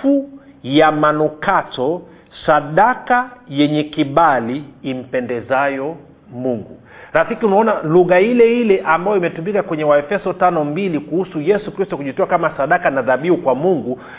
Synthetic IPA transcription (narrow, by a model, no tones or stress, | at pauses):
u | jamanukatɔ | saɗakajɛɲɛkiɓaliːm̩pɛndɛzajɔ | muŋɡṵ | ɾafikiunaɔnaluɣailɛilɛʔambajɔimɛtumikakwɛɲɛwaɛfɛsɔtanɔmbilikuhusujɛsukɾistɔkuʄitɔakamasaɗakanaðaɓiukwamuŋɡu